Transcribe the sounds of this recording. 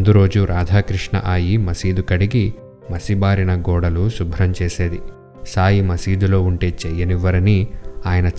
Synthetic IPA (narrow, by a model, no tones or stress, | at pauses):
nd̪uɾo̞ːd͡ʒuɾʔaːd̪ʱaːkɾiʂɳɐ̰ʔaːjimɐsiːd̪ukɐɽiɡi | mɐsibaːɾinɐɡɔːɽɐlusubʱɾɐmt͡ʃeːse̞ːd̪i | saːjimɐsiːd̪ulo̞ːuɳʈe̞ːt͡ʃɛjːɐniʋɐɾɐniaːjɐnɐ